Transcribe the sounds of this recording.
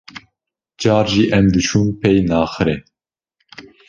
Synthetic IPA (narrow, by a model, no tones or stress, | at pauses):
d͡ʒɑːɾʒiːʔɛmd̪ɨt͡ʃʰuːnpʰɛjnɑːxɨɾɛ